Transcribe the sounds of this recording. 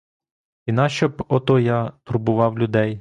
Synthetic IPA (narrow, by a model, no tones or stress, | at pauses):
inɑʃt͡ʃɔbɔt̪ɔjɑt̪urbʊʋɑwlʲʊd̪ɛj